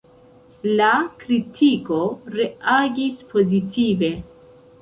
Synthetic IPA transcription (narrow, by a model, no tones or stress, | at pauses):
lakɾitʰiko̞ɾe̞aɡispʰo̞zitʰive̞